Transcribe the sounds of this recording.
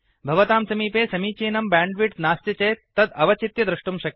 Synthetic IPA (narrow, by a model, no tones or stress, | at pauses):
bʱɐʋɐt̪aːmsɐmiːpeːsɐmiːt͡ʃeːnɐmbãːɳɖʋiʈnaːst̪jɐt͡ʃɐjt̪ːɐd̪ɐʋɐt͡ʃit̪jɐd̪ɾuʂʈumʃɐk̚